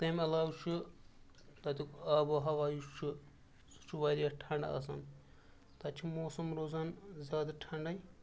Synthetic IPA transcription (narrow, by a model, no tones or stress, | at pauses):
t̪emɐlaːwt͡ʃʰu | t̪ɐt̪ikɐbɨɦɐʋaːjut͡ʃʰi | su̥t͡ʃʰuʋɐjɾɐʈʰɐɳɖɐ̰ɐ̰sɐn | t̪ɐt͡ʃʰimoːsɐmɾoːzɐnzʲaːd̪ɐʈʰɐɳɖɐj